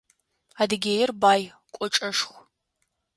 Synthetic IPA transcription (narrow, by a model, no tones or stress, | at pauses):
adɨɡʲejɪrbaːj | kʷʼɔʈ͡ʂʼɐʂxʷ